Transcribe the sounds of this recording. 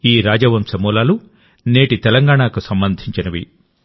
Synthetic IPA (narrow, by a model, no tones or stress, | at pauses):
iːɾaːd͡ʒɐʋɐmsɐmɔːlaːlu | neːʈit̪ɛlɐŋɡaːɳaːkusɐmbɐnd̪ʱiɲt͡ʃinɐʋḭ